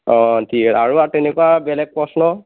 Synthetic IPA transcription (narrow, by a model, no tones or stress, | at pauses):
ɔ̃tʰikaɹuatɛnɛkuabɛlɛk̚pɹɔsnɔ